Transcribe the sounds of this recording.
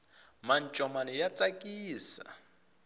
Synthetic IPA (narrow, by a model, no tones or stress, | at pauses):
man̩t͡ʃʼɔmanɪjat͡sʼakʼiːsa̰